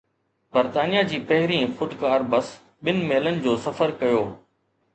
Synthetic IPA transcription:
bɐɾt̪aːnijad͡ʑiːpɐɦɪɾĩfʊɖ̪kaːɾbɐs | ɓɪnɪ̆meːlənɪ̆d͡ʑoːsɐfəɾkɐjoː

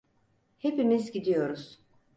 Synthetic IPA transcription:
he̞pimizɟid̪ijo̞ɾuz̥

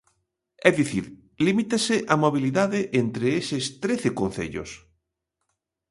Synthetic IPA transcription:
ɛðiθiɾ | limit̪eseʔamoβ̞iliðaðeʔent̪ɾeesest̪ɾeθekõnθḛʎo̰s

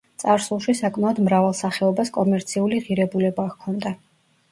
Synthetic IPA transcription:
t̪sʼaɾsulˠʃisakʼmaɔd̪mɾavalˠsaχɛɔbaskʼɔmɛɾt̪sʰiuliʁiɾɛbulɛbakʰɔnd̪a

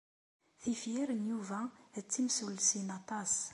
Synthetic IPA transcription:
θifjiɾənjuvæt͡sːimsulsinɑt̪ˤɑs

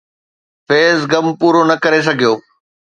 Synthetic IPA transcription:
feːzɡɐmpuːɾonɐkɐɾes̬ɐɡʱijoː

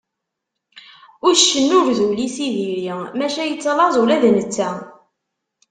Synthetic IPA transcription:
ʊɾʃːənːʊɾðulisiðiɾimæʃæjət͡sːlˤɑzˤulæðnət͡sːæ

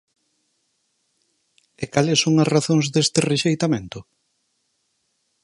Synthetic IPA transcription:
ekalɪsːoŋɐsraθõŋzðest̪ɪreʃejt̪amẽnt̪ʊ

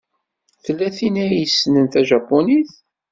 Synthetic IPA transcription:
θəlːæθinæjəsːnənθæʒæpːoniθ

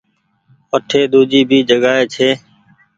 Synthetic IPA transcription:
əʈʰeːɗ̪uːd͡ʒiːbʱiːd͡ʒəɠaːɦeːt͡ʃʰeː

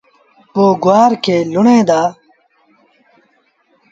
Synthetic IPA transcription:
poːɡuwaːɾkeːluɳẽːd̪aː

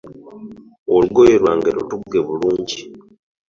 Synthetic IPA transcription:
oluɡojeɾwaːŋɡeɾo̰tuɡeβuluːɲɟi

